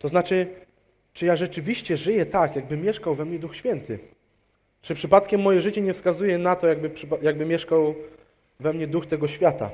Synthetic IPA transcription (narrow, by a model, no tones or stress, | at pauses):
t̪ɔznat͡ʂɘ | t͡ʂɨjaʐɛt͡ʂɘvʲiɕt͡ɕɛʐɘjɛt̪akjaɡ̚bɘmʲjɛʂkawvɛmɲɛd̪uxɕfʲjɛnt̪ʰɘ | t͡ʂɘpʂɘpat̪kʲɛmːɔjɛʐɘt͡ɕɛɲɛfskazujɛnat̪ɔjaɡ̚bɘpʂpjaɡ̚bɘmʲjɛʂkaw | vɛmɲɛd̪uxt̪ɛɡɔɕfʲjat̪a̰